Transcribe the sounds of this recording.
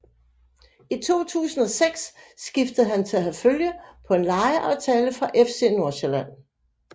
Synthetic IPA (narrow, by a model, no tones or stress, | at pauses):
it͡sʰo̝̰ːt͡sʰṵːsn̩ɒ̽seɡ̥sːɡ̥ifd̥əð̩ˠɦænt͡sʰe̝læɦæføljəpʰɒ̽e̝nlɑ̈ɪəʔɑ̈ʊt͡sʰɛːləfʁɑ̈ʔefse̝̰noɐɕeɐlæn̰